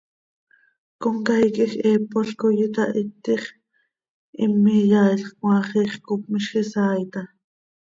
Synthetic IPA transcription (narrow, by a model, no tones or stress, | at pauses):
koŋkajkʼixeːpːoɬkojɪt̪ɑʔit̪ːiχ | ʔimːijaːiɬχkwɑːχiːχkup̚miʃχisɑːjt̪ɑ